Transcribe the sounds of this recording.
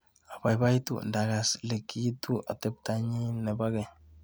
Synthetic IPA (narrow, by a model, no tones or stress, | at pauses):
abajbajtṵndaɡaslekʰitua̰t̪ep̚t̪aɲinebaɡe